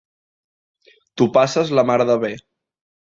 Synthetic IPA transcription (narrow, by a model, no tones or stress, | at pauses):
t̪upasəzləmaɾðəβe